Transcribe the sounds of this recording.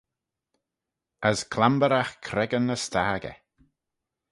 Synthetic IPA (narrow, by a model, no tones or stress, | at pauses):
əskʰlambəɾaxkʰɾɛɡənəstaːɡɛ̰